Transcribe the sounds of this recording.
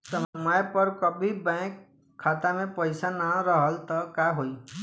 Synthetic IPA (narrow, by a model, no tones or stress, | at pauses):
səmajpəɾkəbʱibɛ̃kʰː | at̪amẽpəɪsanaɾəɦəlt̪ɔkaɦoi